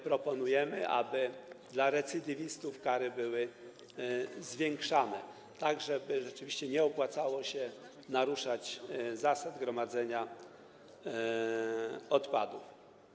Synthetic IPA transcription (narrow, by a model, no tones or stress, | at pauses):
pɾɔpɔnujɛmɘ̰ʔa̰bɘd̪laɾɛt̪sɘd̪ʲivʲist̪ufkaɾɘbɘwɘ | zvʲjɛŋkʂanɛ̰ | t̪aɡʐɛbɘʐɛt͡ʂɘvʲiɕt͡ɕɛɲɛɔpwat̪sawɔɕɛ | naɾuʂat͡ɕzasad̪ɡɾɔmad̪zɛɲa | ɔt̪pad̪uf